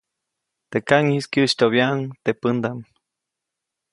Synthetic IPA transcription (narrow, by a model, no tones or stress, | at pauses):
t̪ekaŋhiskjɨt͡ʃt̪oβjaʔŋt̪epɨnd̪am